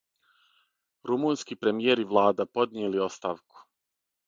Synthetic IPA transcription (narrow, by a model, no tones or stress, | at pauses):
ɾumunskipɾe̞mijeɾiʋlˠaːd̪apo̞d̪nije̞lio̞st̪aːʋku̥